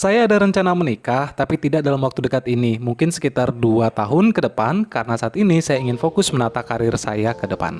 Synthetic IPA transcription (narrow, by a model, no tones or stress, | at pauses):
sajaːdaɾəɲt͡ʃanamənikaht̪apit̪idaʔdalamwakt̪udəkat̪inimuŋkɪnsə̥kit̪arduat̪aɦʊnkədəpankaɾənasaat̪inisajaiŋɪnfokʊsmənat̪akaɾɪrsa̰jakədəpa̰n